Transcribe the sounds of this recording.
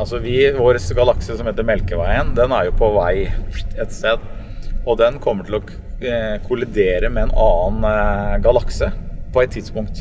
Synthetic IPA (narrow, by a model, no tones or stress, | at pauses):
ɑlsɔʋɪʋoːɾəsɡɑlɑksəsɔmheːt̪əɾmɛlkəʋæɪənd̪ɛnæɾjʊpʰɔʋæɪɛt̪st̪eːd̪ | ɔd̪ɛnkʰɔmːəʈʰɪlɔ | kʰʊlɪd̪eːɾəmɛɛnʔɑːənɡɑlɑksəpʰɔæɛt̪ʰːɪd̪spʊŋkt̪